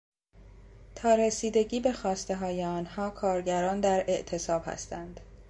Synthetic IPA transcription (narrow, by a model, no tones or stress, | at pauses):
t̪ʰɒːɾesiːd̪e̞ɟiːbe̞xɒːst̪e̞ɦɒːjeɒːnhɒːkʰɒːɾɟæɾɒːnd̪æɾe̞ʔt̪ʰe̞sɒːb̥hæ̰st̪ænd̪̥